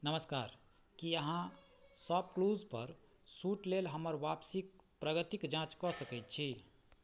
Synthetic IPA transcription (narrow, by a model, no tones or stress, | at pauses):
nəməskaɾ | kiəɦã | səb̚kluzpə̰ɾ | suʈlelɦəməɾʋapsik̚pɾəɡət̪ikd͡ʒãt͡ʃkɔsəkɛjt̪̚t͡ʃʰi